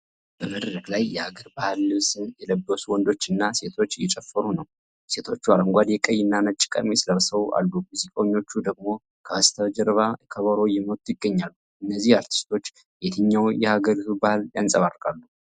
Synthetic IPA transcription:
b̥əməd̪ɾəklajːɛhaɡəɾbahlːɨβsɨjɛləbːəsuwɔnd̪o̞t͡ʃːɨnːase̞t̪ʰo̞t͡ʃːjɛt͡ʃʼɛfːəɾunəw | se̞t̪ʰo̞t͡ʃːuaɾəŋɡʷad̪jɛkʼəjɨnːanət͡ʃʼːɪ̥kʼə̰d̪mesɨləβsəwʔa̰lːumuzikʼawɲːo̞t͡ʃːud̪əɡmo̞ | kʰəast̪ʰəβd͡ʒɛɾβakʰəβəɾo̞jɛmot̪ʼjɪɡːəɲːalːu | ɨnːəzːihaɾt̪ʰi̥st̪ʰo̞t͡ʃː | jet̪ʰɨɲːawjɛhaɡəɾit̪ubahljansʼəβarːkʼalːu

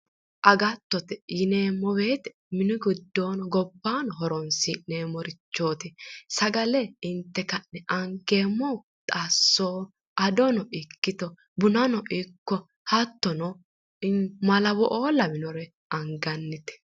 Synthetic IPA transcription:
ʔɐɡɐt̪ːɔt̪ɛjɪneːmːɔbeːt̪ɛ̥ | mɪnʊɡʊd̪ːo̞ːnɔɡɔbːaːnɔɦɔɾɔnsɪneːmɔɾɪt͡ʃːoːt̪ɪsɐɡɐlɛɪnt̪ːɛkɐnːɛʔɐŋkːeːmːɔ | t̪ʼasːoː | ʔɐd̪ɔnɔɪkːɪt̪ɔ | bʊnɐnɔʔɪkːɔ | hɐt̪ːɔnɔ | mɐlɐwɔʔoːlɐmɪnɔɾɛ | ɐŋɡɐnːɪt̪ɛ̥

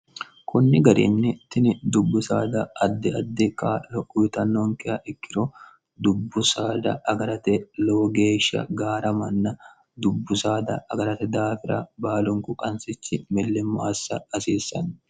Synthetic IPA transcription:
kʰʊnːɪɡɐɾḭnːɪt̪ɪnɪd̪ʊbːʊsa̰ːd̪ɐɐd̪ːɛɐd̪ːɛkʼaːlɔkʼːʊɪt̪ɐnːoŋkɛʔɐʔɪkːɪɾo | d̪ʊbːʊsaːd̪ɐ̰ʔɐɡɐɾɐt̪ɛloːɡeːʃːɐ̰ɡaːɾɐmɐnːɐ | d̪ʊbːʊsaːd̪ɐ̰ʔɐɡɐɾɐt̪ɛd̪aːfɪɾɐ̰baːlʊŋkʊkʼɐnsɪt͡ʃːɪmɪlːɪmːaːsːɐɐsiːsːɐ̰n

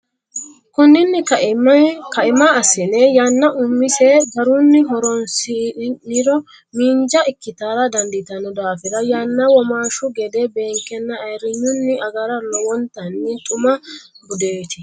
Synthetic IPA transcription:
kʊnːɪnːɪ | kɐɪmaɐsɪnɛjɐnːɐʔʊmːɪsɛɡɐɾunːɪɦɔɾɔnsinɪɾɔ | miːnd͡ʒɐʔɪkːɪt̪aːɾɐd̪ɐnd̪ɪt̪ɐnɔd̪aːfɪɾɐjanːɐwɔmaːʃʊɡɛd̪ebe̞ːŋkːɛnːɐːjɾɪɲːʊnːɪʔɐɡɐɾɐlɔwɔnt̪ɐnːɪt̪ʼʊmɐ | ɡʊd̪eːt̪ɪ

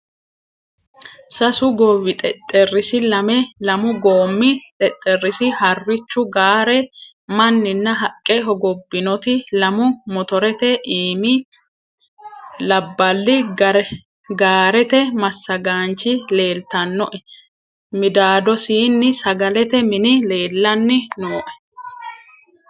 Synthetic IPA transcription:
sɐsʊɡɔwɪt̪ʼɛt̪ʼːɛrːɪsɪlɐmɛlɐmʊɡoːmːɪt̪ʼɛt̪ʼːɛrːɪsɪhɐrːɪt͡ʃːʊɡaːɾɛ | mɐnːɪnːɐɦɐkʼːɛɦɔɡɔbːɪnɔt̪ɪlɐmʊmɔt̪ɔɾɛt̪ɛʔiːmɪ | lɐbːɐlːɪɾ | ɡaːɾɛt̪ɛmɐsːɐɡaːnt͡ʃːɪle̞ːlt̪ɐnːɔʔɛ | mɪd̪aːd̪ɔsiːnːɪsɐɡɐlɛt̪ɛmɪnɪle̞ːlːɐnːɪnoːʔɛ̥

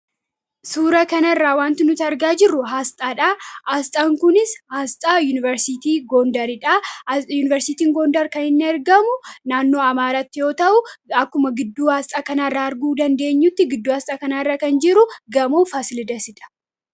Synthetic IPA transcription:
suːɾɐkɐnɐɪrːaːwaːnt̪ɪnʊt̪ɐɾɡaːd͡ʒɪrːʊɦaːst̪ʼaːᶑaːʔaːst̪ʼaːŋkʊnɪshaːst̪ʼaːjuːnɪvɐɾsɪt̪iːɡoːnd̪ɐɾɪᶑajuːnɪvɛɾsɪt̪iːŋɡoːnd̪ɐɾkɐnɪnːɪɐɾɡɐmʊnaːnːo̞ːɐmaːɾaːt̪ːɪjo̞ːt̪ɐʔʊɐkːʊmɐɡɪd̪ːuːhast̪ʼaːkɐnaːrːaːɐɾɡuːd̪ɐnd̪e̞ːɲːʊt̪ːɪɡɪd̪ːuːhɐst̪ʼaːkɐnaːɪrːaːkɐnd͡ʒɪɾʊɡɐmuːfaːsɪlɪd̪ɐsɪᶑ̪ɐ̥

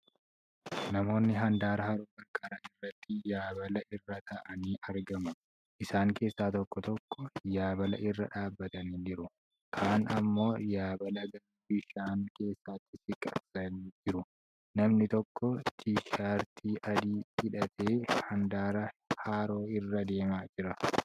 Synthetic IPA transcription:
nɐmo̞ːnːɪɦɐnd̪aːɾɐhaːɾoːɡɐɾkʼɐɾaːɪrːɐt̪ːɪjaːbɐlɐʔɪrːɐt̪ʰɐʔɐniːʔɐɾɡɐmɐ | ʔɪsaːŋke̞ːsːaːt̪ɔkːɔt̪ɔkːɔjaːbɐlɐʔɪrːɐᶑaːbːɐt̪ɐniːd͡ʒɪɾʊ | kʰaːnɐmːo̞ːjaːbɐlɐɡɐl | bɪʃaːŋke̞ːsːat̪ːɪsɪkʼːɐ̰bsɐniːd͡ʒɪɾʊ | nɐmnɪt̪ɔkːɔt̪ɪʃaːɾt̪ʰiːʔɐd̪iːɪᶑɐt̪ʰeːhɐnd̪aːɾɐhaːɾoːɪrːɐd̪e̞ːmaːd͡ʒɪɾɐ

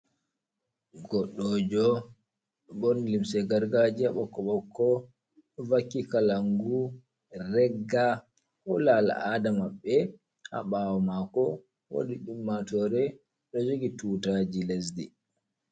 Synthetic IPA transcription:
ɡɔɗːɔd͡ʒɔ | ɓɔnlimsɛɡaɾɡad͡ʒiaɓɔkːɔɓɔkʰːɔ | vakːikalaŋɡu | rɛɡːa | hɔlala̰ʔadamaɓːɛ | a̰ɓawɔmakɔ | wo̰ɗiɗumːatɔɾɛ | ɗɔd͡ʒoɡituːtad͡ʒiles̬dḭ

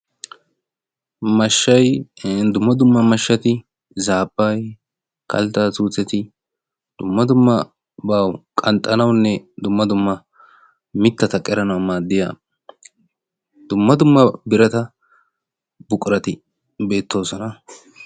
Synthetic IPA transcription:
mɐʃːɐjd̪ʊmːɐd̪ʊmːɐmɐʃːɐt̪ɪ | zaːbːɐj | kɐ̰lt̪aːt͡suːt͡sːɛt̪ɪ | d̪̥ʊmːɐd̪ʊmːɐ | bawkʼɐnt̪ʼːɐnɐwnːɛd̪ʊmːɐd̪ʊmːɐ | mɪt̪ːɐt̪ɐkʼɛɾɐnɐwmaːd̪ːɪja̰ː | d̪̥ʊmːɐd̪ʊmːɐbɪɾɐt̪ɐ | bʊkʼɾɐt̪ɪ | be̞ːt̪ːo̞ːsɔnɐ

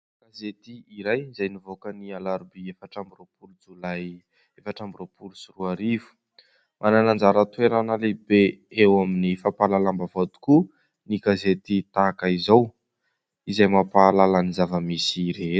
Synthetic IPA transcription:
ɡ̥azet̪iiɾajizajnivokənialaɾbiefaʈ͡ʂambiropuɾud͡zulaj | efaʈ͡ʂambiɾopuɾusuruaɾivu̥ | mʔananand͡zaɾət̪ueɾanalebeewaminifapalalambavat̪u̥ku | niɡazet̪it̪akaizaw | izajmapalalanizavəmisiɾe̥

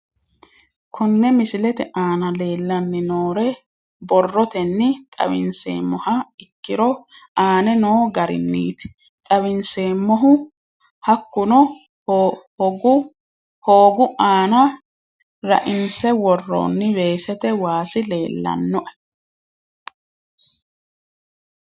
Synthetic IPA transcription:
kʰɔnːɛmɪsɪlɛt̪ɛʔaːnɐle̞ːlːɐnːɪnoːɾɛ | bɔrːɔt̪ɛnːɪt̪ʼɐ̰bɪ̰nsḛːmːɔhɐɪkːɪɾɔaːnɛnoːɡɐɾɪ̰nːḭːt̪ɪ̥ | t̪ʼɐbɪnseːmːɔɦʊ | hɐkːʊnɔ | ɡʊ | hoːɡʊaːnɐ | ɾɐ̰ʔɪnsɛwɔrːo̰ːnːɪbe̞ːsɛt̪ɛwaːsɪle̞ːlːɐ̰nːɔʔɐ

